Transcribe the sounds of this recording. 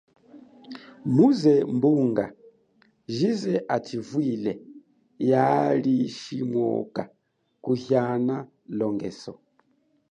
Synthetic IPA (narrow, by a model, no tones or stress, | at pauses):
muzɛmbuŋɡa̰ | ʒizɛʔativwilɛ | jaliʃimwɔ̰ka | kuhjana | lɔŋɡɛsɔ